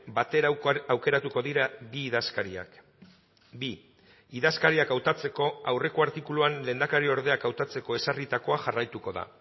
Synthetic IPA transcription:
bat̪e̞ɾaawke̞ɾat̪uko̞ðiɾabiːðaskaɾia̰k | bi | iðaskaɾiakawt̪at͡se̞ko̞awre̞ko̞aɾt̪ikuluanle̞ːnd̪akaɾio̞ɾðe̞akawt̪at͡se̞ko̞e̞sarit̪ako̞aʝarajt̪uko̞ða̰

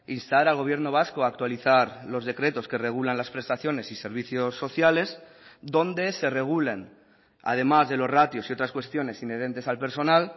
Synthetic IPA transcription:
inst̪aɾalɣ̞o̞β̞je̞ɾno̞β̞asko̞akt̪waliθaɾlo̞zð̞e̞kɾe̞t̪o̞ske̞re̞ɣ̞ulanlaspɾe̞st̪aθjo̞ne̞sise̞ɾβ̞iθjo̞sːo̞θjale̞z | d̪o̞nd̪e̞se̞re̞ɣ̞ule̞n | a̰ð̞e̞mazðe̞lo̞zrat̪jo̞sio̞t̪ɾaskwe̞st̪jo̞ne̞sine̞ðe̞nt̪e̞salpe̞ɾso̞nal

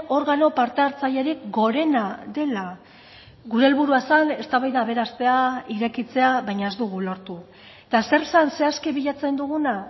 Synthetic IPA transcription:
o̞ɾɣano̞paɾt̪eaɾt͡saʎe̞ɾikɡo̞ɾe̞naðe̞la | ɣuɾe̞ːlβuɾuasane̞st̪aβajðaːβe̞ɾast̪e̞aiɾe̞kit͡se̞aβajɲae̞zd̪uɣ̞ulo̞ɾt̪u | et̪ase̞ɾsanse̞askiβiʎat͡se̞nd̪uɣuna

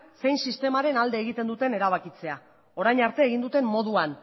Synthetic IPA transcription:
se̞jnsist̪e̞maɾe̞nald̪e̞ːɣ̞it̪e̞nd̪ut̪e̞ne̞ɾaβ̞akit͡se̞a | o̞ɾajɲaɾt̪e̞ːɣind̪ut̪e̞mmo̞ðuan

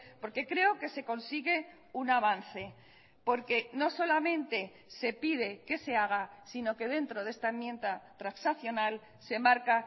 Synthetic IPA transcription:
po̞ɾke̞kɾe̞o̞ke̞se̞ko̞nsiɣe̞ | unaβ̞an̟θe̞ | po̞ɾke̞no̞so̞lamẽ̞nt̪e̞ | se̞pið̞e̞ke̞se̞aɣ̞asino̞ke̞ðe̞nt̪ɾo̞ðe̞st̪aemje̞nt̪at̪ɾansaθjo̞nal | se̞maɾka

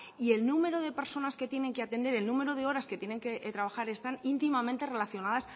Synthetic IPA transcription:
ie̞lnume̞ɾoðe̞pe̞ɾso̞naske̞t̪je̞ne̞ŋkeat̪e̞nd̪e̞ɾe̞lnũme̞ɾoð̞e̞o̞ɾasket̪jene̞ŋket̪ɾaβ̞axaɾe̞st̪anint̪imamẽ̞nt̪e̞re̞laθjo̞nað̞as

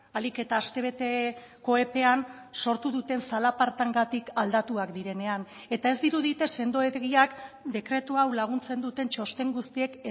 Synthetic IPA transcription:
alike̞t̪aːst̪e̞β̞e̞t̪e̞ko̞e̞pe̞an | so̞ɾt̪uð̞ut̪e̞nsalapaɾt̪aŋɡat̪ikald̪at̪uakd̪iɾe̞ne̞an | e̞t̪ae̞zd̪iɾuð̞it̪e̞se̞nd̪o̞eɣiakd̪e̞kɾe̞t̪uawlaɣ̞unt͡se̞nd̪ut̪e̞nt͡ʃo̞st̪e̞ŋɡust̪ie̞k

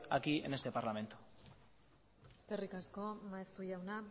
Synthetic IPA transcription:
akiḛne̞st̪e̞paɾlame̞nt̪u̥ | eske̞rikasko̞maest̪uʎawna

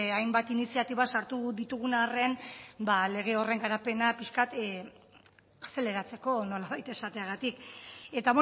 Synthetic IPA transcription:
ajmbat̪inisiat̪iβasaɾt̪uðit̪uɣ̞unaːre̞nbale̞ɣ̞e̞o̞re̞ŋɡaɾape̞napiʃkat̪ | ase̞le̞ɾat͡se̞ko̞no̞laβajt̪e̞sat̪e̞aɣ̞at̪ike̞t̪aβ

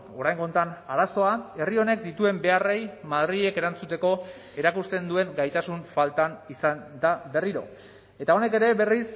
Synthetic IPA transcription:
o̞ɾajŋɡont̪anaɾaso̞ae̞rio̞ne̞k̚d̪it̪ue̞mbe̞are̞jmaðɾie̞ke̞ɾant͡sut̪e̞ko̞ | e̞ɾakust̪e̞nd̪ue̞ŋɡajt̪asuɱfalt̪anisand̪abe̞riɾo̞̰ | e̞t̪ao̞ne̞ke̞ɾe̞βe̞ris

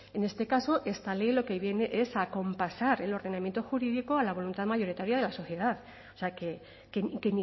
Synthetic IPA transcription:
e̞ne̞st̪e̞kaso̞ʔe̞st̪ale̞jlo̞ke̞βje̞ne̞ʔe̞sako̞mpasaɾe̞lo̞ɾð̞e̞namje̞nt̪o̞xuɾiðikoalaβ̞o̞lunt̪aðmaʝo̞ɾit̪aɾjað̞e̞laso̞θje̞ð̞að | oseake̞ | kekeni

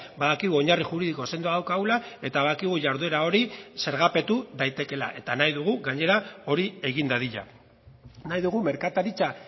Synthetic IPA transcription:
baðakiɣ̞uo̞ɲariʝuɾiðiko̞se̞nd̪oaðawkaɣulae̞t̪aβaðakiɣ̞uʝaɾðue̞ɾao̞ɾise̞ɾɣape̞t̪uðajt̪e̞ke̞la̰ʔe̞t̪anajðuɣ̞uɣaɲe̞ɾao̞ɾie̞ɣind̪aðiʎa̰ | najðuɣume̞ɾkat̪aɾit͡sa

